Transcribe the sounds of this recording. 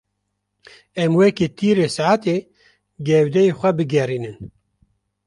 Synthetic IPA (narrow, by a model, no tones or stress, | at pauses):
ɛmwɛket̪ʰiːɾeːsaʕat̪e | ɡɛwd̪ɛjexʷɛbɨɡɛriːnɨn